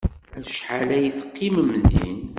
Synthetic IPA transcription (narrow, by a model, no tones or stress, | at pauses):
æʃħalæjəθəqːiməmðḭn